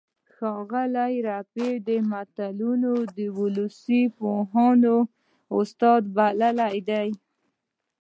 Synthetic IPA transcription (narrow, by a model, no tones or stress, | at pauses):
xɑɣalajɾaped̪əmat̪alunod̪əwʊlusipoɦɑno | ʊst̪ɑd̪balalajd̪aj